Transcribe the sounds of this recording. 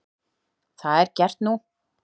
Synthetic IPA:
θaðɛɾcɛr̥t̪nu

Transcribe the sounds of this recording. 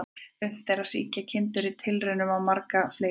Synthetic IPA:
ʏm̥θejɾaðsḭːcacʰɪnt̪ʏɾɪt̪ʰɪlrʏnʏmawmaɾkafleː

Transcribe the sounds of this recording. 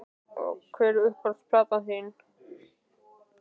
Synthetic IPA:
ɔ̰kʰvɛːɾʏʏhkʰvaɾspʰlaːt̪aθɪn

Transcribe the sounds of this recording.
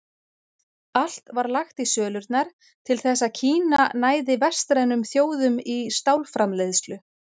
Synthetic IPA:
al̥t̪vaɾlaxt̪isœːlʏɾt̪naɾ̥ | t̪ʰɪlθɛsːaðcʰiːnanaːjðɪvɛr̥st̪ɾajnʏmθjoːwðʏmist̪awlfɾamleðst̪lʏ

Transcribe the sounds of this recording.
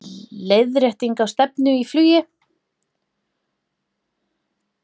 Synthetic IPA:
leːjðɾɛht̪iŋkawst̪ɛpnʏiflyːjɪ

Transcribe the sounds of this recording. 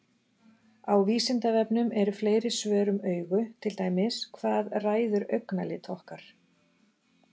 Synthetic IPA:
awviːsɪnt̪avɛpnʏmɛɾʏfleːjɾɪsvœːɾʏmœːɥɣʏt̪ʰɪlt̪aːjmɪskʰvaːðraːjðʏɾœɥknalɪt̪ʰɔhkaɾ̥

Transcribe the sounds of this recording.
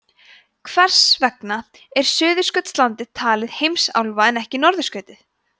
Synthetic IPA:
kʰvɛr̥svɛkna | ɛɾ̥sʏːðʏskœt̪st̪lant̪ɪðt̪ʰaːlɪðhejmsa̰wlvaɛnɛhcɪnɔɾðʏskœːɥt̪ɪθ

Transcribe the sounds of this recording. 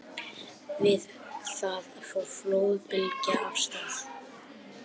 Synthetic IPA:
vɪð | θaðafɔɾ̥floːwpɪlcaʔafst̪aːθ

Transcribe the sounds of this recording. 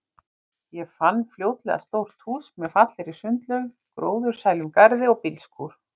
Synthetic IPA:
jɛfanːfljoːwt̪lɛ̰ɣa̰st̪owɾ̥t̪huːsmɛðfat̪lɪɾisʏnt̪lœɣ | kɾo̰ːwðʏɾ̥saːjlʏmkaɾðɪɔɣpɪlskʰuɾ̥

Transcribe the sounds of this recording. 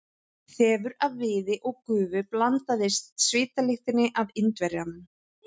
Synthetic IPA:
θɛːvʏɾavːɪːðɪʔɔɣkʏːvʏplant̪aðɪst̪svɪːt̪alɪxt̪ɪnːɪʔavɪnt̪vɛɾjanm

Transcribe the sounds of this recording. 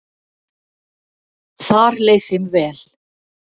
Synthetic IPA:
θaɾleːjθɪmvɛːl̥

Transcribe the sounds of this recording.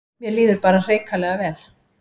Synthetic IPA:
mjɛliːðʏɾpaːɾar̥eːjkalɛɣavɛːl

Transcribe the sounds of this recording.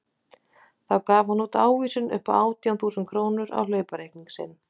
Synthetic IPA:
θawkaːvanuːt̪aːwviːsʏnʏ̰hpaaːwt̪ijawnθuːsʏnt̪kʰɾoːwnʏɾa̰wlœːɥpaɾejk̚niŋksɪ̰n

